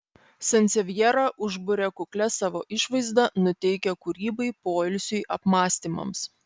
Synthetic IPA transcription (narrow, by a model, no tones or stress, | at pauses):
sɐnʲt̪sʲɛʋʲjɛɾɑʔʊʒbʊɾʲɛkʊklʲɛsɑːʋoːʔɪʃʋɐɪzd̪ɐnʊt̪ʲɛɪkʲɛkʊɾʲiːbɐɪpoːɪlʲsʲʊjʔɐpmɑːsʲt̪ʲiːmɐ̰ms